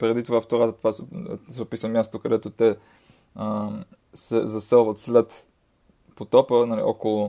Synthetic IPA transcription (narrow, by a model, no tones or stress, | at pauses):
pɾɛd̪it̪ovaft̪oɾat̪t̪vassɛopisəmjast̪okɐd̪ɛt̪ot̪ɛ | ə | sɛzɐsɛlˠvət̪slɛt̪ | pot̪ɔpənalḭʔɔ̰kolˠʊ